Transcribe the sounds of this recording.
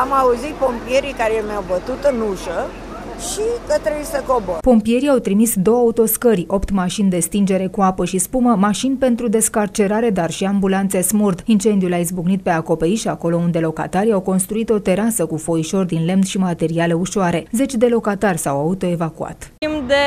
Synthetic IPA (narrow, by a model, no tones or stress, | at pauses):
amauzit̪̚po̞mpie̞ɾikaɾeemjawbət̪ut̪ɨnuʃə | ʃikət̪ɾebujsəkobəpo̞mpije̞ɾiawt̪ɾimisd̪o̞wəaut̪o̞skəɾʲo̞pt̪maʃind̪e̞st̪ind͡ʒe̞ɾe̞kuapəʃispuməmaʃinpe̞nt̪ɾud̪e̞skart͡ʃe̞ɾaɾe̞d̪arʃiambulant̪se̞smurd̪int͡ʃe̞nd̪ijulaizbuɡnit̪̚pe̞ako̞pe̞ɾiʃako̞lo̞und̪e̞lo̞ka̰t̪aɾiawko̞nst̪ɾuit̪o̞t̪e̞ɾasəkufo̞iʃo̞rd̪inle̞mnʃimat̪e̞ɾiale̞uʃoaɾe̞ze̞t͡ʃʲd̪e̞lo̞kat̪arʲsawaut̪o̞e̞vakua̰t̪imd̪e